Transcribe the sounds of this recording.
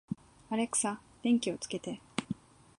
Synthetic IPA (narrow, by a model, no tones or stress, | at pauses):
aɾe̞kɯ̥sa | d̪̥ẽ̞ŋkʲio̞t͡sɨ̥ke̞t̪e̞